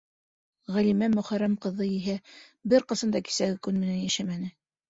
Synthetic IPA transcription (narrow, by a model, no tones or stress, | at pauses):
ʁælimæmɵ̆χæɾæmqɤ̆ðːɤjiɦæbɘɾqɤ̆sɤ̆nd̪ɑki̥sæɡɘkʉnmɘ̆nænjæʃæmænɘ